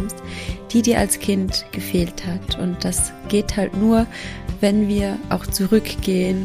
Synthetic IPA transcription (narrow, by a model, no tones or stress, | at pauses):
mstd̥iːdiːɐʔa̰lskʰɪntɡ̥əfeːlthatʔʊnt̚d̥as | ɡ̥eːthaltnuːɐvɛnviːɐʔa̰ʊxt͡suʁʏkɡ̥eːən